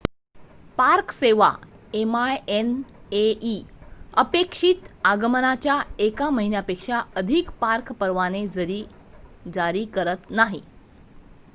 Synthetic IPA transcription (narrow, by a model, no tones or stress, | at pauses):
paɾkseʋa̰emajeneiəpekʂit̪aɡəmənat͡ɕjaekaməɦinjapekʂaəd̪ʱikpaɾkpəɾʋaned͡zəɾiː | d͡zaɾiːkəɾət̪naɦi